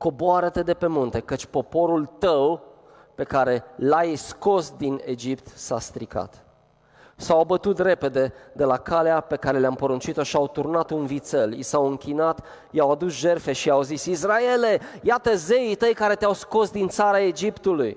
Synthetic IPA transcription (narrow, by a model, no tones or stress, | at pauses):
ko̞boaɾət̪e̞d̪epe̞munt̪e̞kət͡ʃʲpo̞po̞ɾult̪əw | pe̞kaɾe̞lajsko̞sd̪ine̞̰d͡ʒipt̪sa̰st̪ɾika̰t̪ | sawbət̪ut̪re̞pe̞d̪e̞d̪e̞lakaleape̞kaɾe̞leampoɾunt͡ʃit̪o̞ʃiawt̪urnat̪unvit̪selḭsawɨŋkʲinat̪ | jawad̪usʒe̞rfe̞ʃiawzisisraele̞jat̪əzeit̪əjkaɾe̞t̪eawsko̞sd̪int̪saɾae̞d͡ʒipt̪uluj